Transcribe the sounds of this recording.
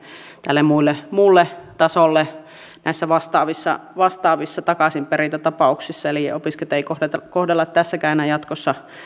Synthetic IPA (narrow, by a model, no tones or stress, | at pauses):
t̪ælːemmuilːemulːet̪ɑsolːe | nʔæˑisːæʋɑst̪ɑːʋisːɑ̰ʋɑst̪ɑːʋisːɑt̪ɑkɑsimperint̪æt̪ɑpɑˑuksisːɑeliopisket̪eˑikohet̪ɑkohdelːɑt̪t̪æsːækæˑenæjɑt̪kosːɑ